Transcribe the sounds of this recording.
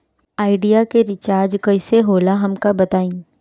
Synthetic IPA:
aːɪɖijakeɾɪt͡ʃaːɾd͡ʒkɐɪseɦoːlaɦɐmkabɐt̪aːĩː

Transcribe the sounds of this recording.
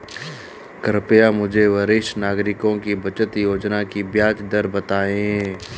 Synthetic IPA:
kəɾpjamʊd͡ʒʱeʋɐɾɪʃnaːɡɾɪkõkibɐt͡ʃət̪joːd͡ʒnakibjaːd͡ʒd̪əɾbɐt̪aːẽɦɛ̃ː

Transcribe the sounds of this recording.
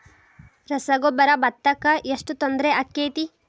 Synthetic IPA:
ɾɐsɐɡobɐɾɐbɐt̪ːɐkːɐʔeʂʈut̪ond̪ɾeʔɐkːeːt̪i

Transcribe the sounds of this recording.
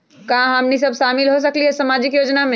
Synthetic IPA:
kaãɦamnisɐbʃaːmɪlɦos̬ɐkliɦɛsɐmaːd͡ʒɪkjoːd͡ʒnamẽ

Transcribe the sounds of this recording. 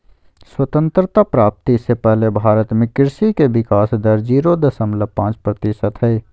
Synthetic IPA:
swət̪ə̃nt̪ɾt̪apɾaːp̚t̪isepɛɦlebʱaːɾət̪mɪ̃kɪɾsikeʋɪkaːsd̪əɾd͡ʒiːɾod̪əsəmləpãːt͡ʃpɾət̪ɪʃət̪ɦɛː

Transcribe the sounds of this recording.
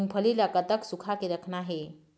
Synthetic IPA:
mpʰəlilakat̪əksukʰakiɾəkʰnaɦe

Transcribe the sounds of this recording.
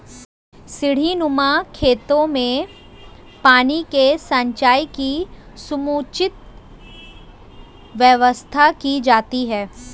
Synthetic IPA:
sɪɽ̤inʊmakʰeːt̪õmẽ | paːnikesɐ̃ɲt͡ʃaːjiki | sʊmuːt͡ʃɪt̪̚ | ʋjəʋəst̪ʰakid͡ʒaːt̪iɦɛː

